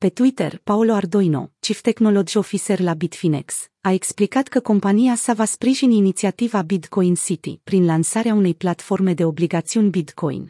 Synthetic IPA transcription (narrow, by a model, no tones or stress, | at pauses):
pe̞t̪wit̪ḛrpaolo̞ard̪o̞jno̞̰t͡ʃift̪e̞xno̞lo̞d͡ʒio̞fiserlabit̪finḛks | ae̞ksplikat̪kəko̞mpaniasavaspɾiʒininit̪siat̪ivabit̪ko̞jnsit̪ḭpɾinlansaɾeaune̞jplat̪fo̞rme̞d̪e̞o̞bliɡat̪siunʲbit̪kʰo̞̰j̰n